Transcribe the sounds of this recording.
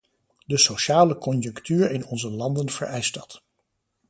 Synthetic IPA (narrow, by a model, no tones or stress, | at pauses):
dəsoʃaːləkɔnjɵŋktyːɹɪnɔnzəlɑndənv̥ə̰ɹʔɛjsdɑt